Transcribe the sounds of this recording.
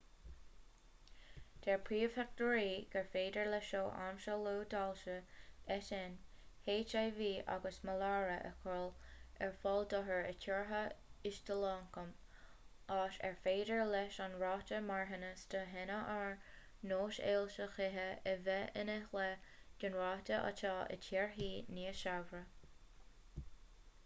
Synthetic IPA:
d̪̥ɛɹpʰɹiːfak̚təɹiːɡ̥əɹfeːdəɹlɛʃoːʔa̰mʃəloːdalʃəɛtɛn | heːt͡ʃajviːʔa̰ɡəsməlaːɹəʔə̰kʰɔlɛ̰ɹfɔld̪ɔɦəɹə̰kʰʊɹɦəɪʃtʰəlɑːŋkəm | aːʃɛ̰ɹfeːdəɹlɛʃanɹɑːtəmaɹɦənəstəɦɛnəʔaɹ | noːʃḛːlʃəxɪɦəɛvɛə̰nɛxləd͡ʒ̥ənɹɑːtəʔa̰tʰɑːʔə̰tʰiɹɦiːniːəʃavɾə

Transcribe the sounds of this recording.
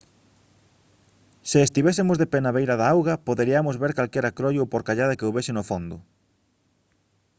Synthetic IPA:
sɪːst̪iβesɪmʊzðepenaβejɾaðaawɣɐpoðeɾiɐmozβeɾkalkɛɾakɾojowpoɾkaʎaðɐkeowβesɪnofond̪ʊ

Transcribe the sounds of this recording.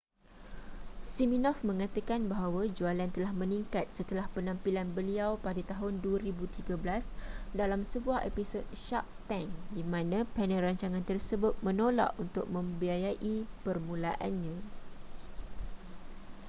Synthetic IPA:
siminɔfmə̃ŋãt̪akanbaɦawad͡ʒualant̪əlahmə̃niŋkat̪̚sət̪əlahpənãmpilanbəliawpadat̪aɦʊnduaɾibut̪iɡabəlasdalamsəbuahepisot̪̚ʃaʔ̚t̪aŋdimãnãpɛnə̃ɾaɲt͡ʃaŋãnt̪ərsəbʊt̪̚mə̃nola̰ʔunt̪ʊk̚mə̃mbiajaʔipərmũlaʔanɲã

